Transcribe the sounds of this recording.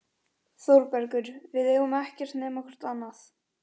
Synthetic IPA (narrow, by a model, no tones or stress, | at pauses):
θowɾpɛɾkʏɾvɪðɛːɣʏmɛhcɛr̥t̪nɛːmɔkʰɛɾ̥t̪anːaθ